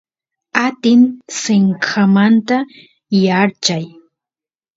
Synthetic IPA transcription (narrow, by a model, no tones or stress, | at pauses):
at̪ɪnsɪŋkʰamant̪a | jaɾt͡ʃaj